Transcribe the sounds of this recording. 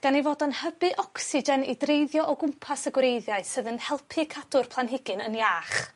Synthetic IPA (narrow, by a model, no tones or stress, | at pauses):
ɡ̥anivoːdənhəbɨʔɔksɪd͡ʒɛnḭdrejðjɔʔɔɡʊmpʰasəɡwɾejðjaɨsɨðənhɛlˠpʰɨkʰad̥ʊrpʰlˠanɦɪɡɨnə̰njaːχ